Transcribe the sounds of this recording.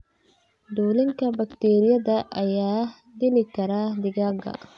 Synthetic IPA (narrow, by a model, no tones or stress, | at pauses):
ɖ̪uːlɪŋkʰɐbɐkt̪ʰɛːɾɪjɐðɐʔɐjaː | d̪ɪlɪkʰɐɾaːd̪ɪɣaːɡɐ̰